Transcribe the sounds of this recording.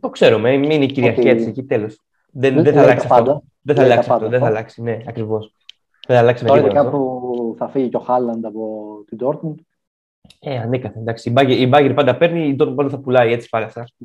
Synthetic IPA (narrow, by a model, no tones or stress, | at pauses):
t̪o̞kse̞ɾumemiineiciɾiɐɾiɐsecit̪elo̞s | ðeðeθɐlɐkssɐfod̪ | ðeθθɐlɐksɐft̪oðeθɐlɐksi̥ne̞ɐkɾivo̞s | ðeθɐlɐksiɐoɾt̪ɐkɐt̪opuθɐfiʝicoxɐlɐnd̪ɐpot̪id̪oɾt̪mud̪ | eɐnekɐθend̪ɐksiibɐʝeɾibɐʝeɾpɐnd̪ɐpe̞ɾniːd̪oɾt̪pɐnd̪ɐθɐpulɐie̞t͡si̥pɐlɐsɐ